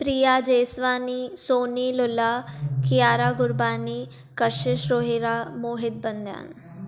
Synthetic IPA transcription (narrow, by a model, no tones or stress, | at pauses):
pɾiːjaːd͡ʒeːsʋaːniːsoːniːlʊlaːkɪjaːɾaːɡʊɾbaːniː | kəʃɪʃɾoːɦiɾaːmoːɦɪd̪̚bɐnd̪ja̰ːn